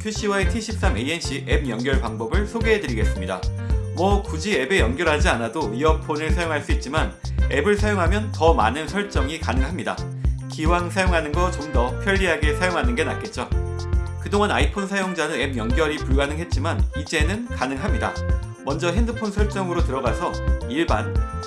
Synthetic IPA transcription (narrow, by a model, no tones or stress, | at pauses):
kʰjuɕ͈ʰiwaetʰiɕʰip̚s͈ame̞ienɕʰiʔeb̚jʌŋɡjʌɭpaŋbʌbɯɭsʰoɡeɦedɯɾiɡe̞s͈ɯmɲida̰mwʌkud͡ʑie̞be̞jʌŋɡjʌɾɦad͡ʑianadoiʌpʰonɯɭsʰajoŋɦaɭs͈uit̚t͡ɕ͈imane̞bɯɭsʰajoŋɦamjʌntʌma̰nɯnsʰʌɭt͡ɕ͈ʌŋikanɯŋɦamɲida̰ | kiwaŋsʰajoŋɦanɯnɡʌt͡ɕomdʌpʰjʌʎːiɦaɡe̞sʰajoŋɦanɯnɡe̞na̰t̚k͈e̞t̚t͡ɕ͈o | kɯdoŋɦanaipʰonsʰajoŋd͡ʑanɯne̞b̚jʌŋɡjʌɾipuɭɡanɯŋɦe̞t̚t͡ɕ͈imanid͡ʑe̞nɯnkanɯŋɦamɲida̰ | mʌnd͡ʑʌɦe̞ndɯpʰonsʰʌɭt͡ɕ͈ʌŋɯɾotɯɾʌɡasʰʌiɭban